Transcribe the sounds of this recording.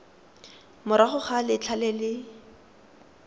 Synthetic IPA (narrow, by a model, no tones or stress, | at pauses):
mʊɾaχʊχalɪt͡ɬʰalɛlɪ